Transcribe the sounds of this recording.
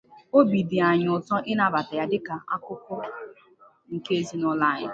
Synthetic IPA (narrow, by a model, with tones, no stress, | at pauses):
o˦bi˨dɪ˨a˨ɲ˨ʊ˨tɔ˦ʔɪ˦na˨˦˨ba˨ta˨ja˦dɪ˦ka˨ʔa̰˦kʊ˦kʊ˦ | ŋ̩˨ke˦e˦zi˦nʊ˦la˦˨ɲɪ̰˨